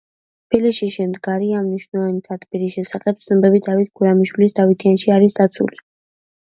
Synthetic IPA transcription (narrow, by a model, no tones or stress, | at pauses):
t̪ʰpʰilisʃiʃɛmd̪ɡaɾiamniʃnɔvanit̪ʰat̪ʰpiɾiʃɛsaχɛp̚t̪sʰnɔbɛbid̪avit̪̚ʰɡuɾamiʃwilisd̪avit̪ʰianʃiaɾisd̪at̪sʰṵli